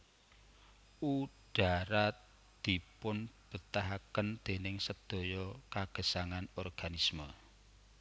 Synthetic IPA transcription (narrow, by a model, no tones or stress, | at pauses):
u | ɖ̥a̤ɾa | d̪̥i̤pʊnb̥ə̤t̪aɦakənd̪̥e̤nɪŋsəd̪̥ɔ̤jɔkaɡ̥ə̤saŋanɔrɡ̥anismə